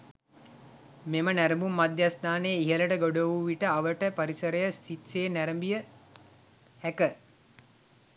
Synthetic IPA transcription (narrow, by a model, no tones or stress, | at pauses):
memənæɾəmbumːad̪jast̪aːnejːiɦələʈəɡoɖoʋuʋiʈəaʋəʈəpaɾisəɾəjəsit̪seːnæɾəmbijə | hækə